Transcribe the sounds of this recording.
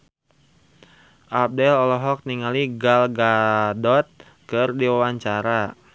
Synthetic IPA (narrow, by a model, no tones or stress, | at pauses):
ʔap̚dɛlɔlɔɦɔk̚niŋaliɡalɡadɔt̪̚ | kɨrdiwawaɲt͡ʃaɾa